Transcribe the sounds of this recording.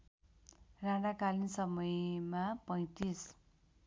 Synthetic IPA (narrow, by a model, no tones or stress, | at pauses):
rãɽakalinsʌmʌjmapʌj̃t̪is